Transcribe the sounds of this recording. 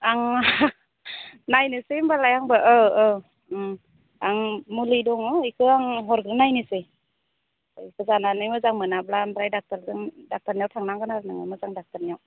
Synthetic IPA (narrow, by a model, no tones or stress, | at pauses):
aŋ | najnɯsembalajaŋbɯʔɯɯ | aŋmulɯdɔŋɔikʰɯaŋɦɔɾɡɾɯnajnɯse | ikʰɯzananɯjmɯzaŋmɯnablanbɾajdak̚taɾdɯŋdak̚taɾnijawtʰaŋnaŋɡɯnaɾɯnɯŋa̰mɯzaŋdak̚taɾnijaw